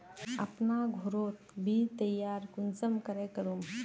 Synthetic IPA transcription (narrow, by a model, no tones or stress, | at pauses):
əpnaɡʱoɾoːt̪bʱit̪ɐjaːɾkunsəmkəɾekəɾum